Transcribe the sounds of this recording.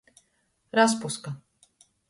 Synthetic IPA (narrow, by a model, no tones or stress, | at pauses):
ɾas̬puska